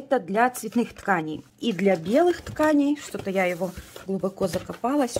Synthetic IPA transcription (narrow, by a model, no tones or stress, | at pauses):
ɛt̪əd̪lʲɐt̪svʲɪt̪nɨxt̪kanʲɪj | id̪lʲɐbʲelˠɨxt̪kanʲɪjʂt̪ot̪əjajɪvoɡlˠʊbɐkozɐkɐpalˠɐsʲ